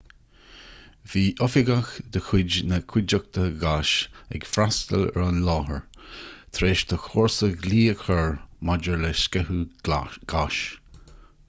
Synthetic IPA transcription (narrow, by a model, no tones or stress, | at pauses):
viːʔɔfɪɡaxd̪əxʰwɪd͡ʒnəkʰwɪd͡ʒək̚t̪ʰəɡaʃɛ̰ɡ̥fɾast̪əlɛ̰ɹanlɔːɦəɹt̪ʰɾeːʃt̪ʰəxoːɹsəɡliːəkʰəɹmad͡ʒəɹlɛskɛhuɡ̥aʃ